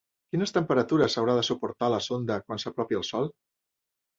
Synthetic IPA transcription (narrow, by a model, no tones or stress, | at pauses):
kinəst̪əmpəɾət̪uɾəsəwɾaðəsupuɾt̪aləsond̪əkwansəpɾɔpjiəlˠsɔlˠ